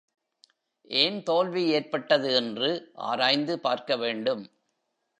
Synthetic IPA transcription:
ʔeːnt̪oːlʋieːrpɐʈːɐðɯɛndrɯʔa̰ːɾaːjnd̪ɯpa̰ːɾkɐʋeːɳɖɯm

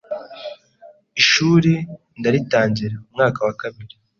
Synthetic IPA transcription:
iʃuːɾi | ndaɾitaːɲɟiɾaumŋaːkawakaβiɾi

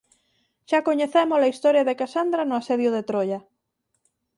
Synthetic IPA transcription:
ʃakoɲeθemʊsɐist̪ɔɾjɐðekasand̪ɾanʊaseðjʊðet̪ɾoʎɐ

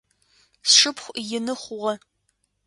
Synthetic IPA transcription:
sʂɨpχʷjɪnɨχʷʊʁɐ

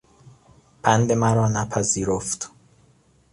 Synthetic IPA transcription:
b̥ʰænd̪emæɾɒːnæpʰæziːɾoft̪

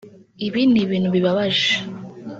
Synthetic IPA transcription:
iβiːndiβiːnhuβiβaβaʒe

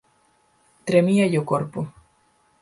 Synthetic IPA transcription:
t̪ɾemiajokoɾpo

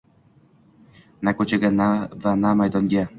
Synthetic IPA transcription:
nakot͡ɕeɡanavanamajd̪ɔnɡʲɛ

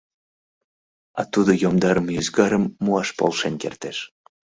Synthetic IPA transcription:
ɑ̰t̪ud̪ojomd̪ɑɾəmyzɡɑɾəmːuɑʃpo̰lʃenkert̪eʃ

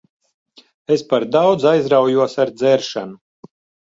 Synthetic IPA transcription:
espaɾd̪awd̪zajzɾawjuɔsaɾd̪zɛɾʃanu

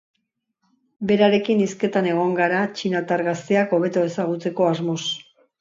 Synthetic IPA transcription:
be̞ɾaɾe̞kiniske̞t̪ane̞ɣ̞o̞ŋɡaɾat͡ʃinat̪aɾɣast̪eako̞β̞e̞t̪oe̞saɣ̞ut͡se̞ko̞azmo̞s

